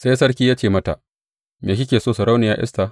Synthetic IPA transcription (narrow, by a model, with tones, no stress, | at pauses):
sa˦jsɐ˦ɽkʲiː˦jaː˦t͡ʃeː˦˨mɐ˦ta̰˨ | meː˨ʃ̬ʲɪ˦kʲeː˨soː˦˨sɐ˨ɾa˦wnɪ˨ja̰ː˦˨ʔɪ̰˦sta˨